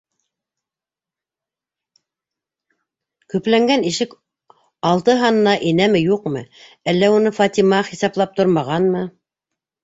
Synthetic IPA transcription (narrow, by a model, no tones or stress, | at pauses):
kɵ̆plæŋɡæniʃɘk | ɑlˠt̪ɤɦɑnɤ̆nɑʔinæmɘjuqmɤ | ælːæunɤfɑt̪ʲimɑχisɑplˠɑp̚t̪oɾmɑʁɑnmɤ